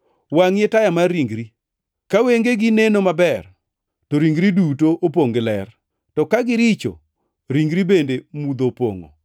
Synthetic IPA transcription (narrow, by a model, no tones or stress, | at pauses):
waŋjetajamaɾiŋɡɾi | kaweŋɡeɡɪnenomabɛr | toɾiŋɡɾidutoʔop̬oŋɡɪlɛr | tɔkaɡɪɾit͡ʃo̰ | ɾiŋɡɾibendemud̪opo̰ŋo̰